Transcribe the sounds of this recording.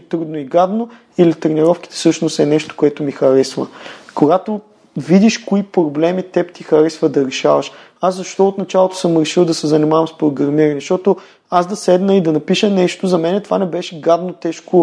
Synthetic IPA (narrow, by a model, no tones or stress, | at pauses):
t̪ɾud̪noiɡad̪no | ilit̪ɾɛniɾɔfk̟i̥t̪ɛ̥sɤʃnost̪ɛnɛʃt̪o̥koɛt̪ʊmixɐɾɛsvəkoɡat̪o | vid̪iʃkoipɾoblɛmit̪ɛpt̪ixɐɾɛsvəd̪ɐɾɛʃavəʃ | aszɐʃt̪ɔot̪nɐt͡ʃalˠot̪o̥sɤmɾɛʃilˠd̪ɐsɛzɐnimavɐmspɾoɡɾɐɾmiɾɐnɛʃt̪ɔt̪o | azd̪ɐsɛd̪nəid̪ɐnɐpiʃənɛʃt̪ozɐmɛnɛt̪ovanɛbɛʃɛɡad̪not̪ɛʃko